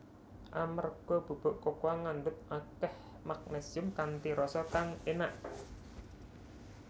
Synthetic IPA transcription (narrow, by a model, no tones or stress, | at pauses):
ʔamarɡ̥ɔb̥ṳb̥ɔ̤ʔkokoaŋandʊt̪̚ʔakɛh | mak̚nesiʊmkant̪iɾɔsɔkaŋenaʔ